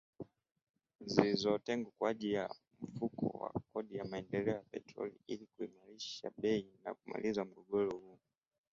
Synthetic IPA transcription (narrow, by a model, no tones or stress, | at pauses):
ziizɔtɛŋɡukwaʄija | m̩fukʰɔ̰wa̰kɔɗijamaɛndɛlɛɔjapɛtɾɔ̰lḭilikuimaɾiʃa̰ɓɛina̰kuma̰lizam̩ɡɔɡɔlɔhu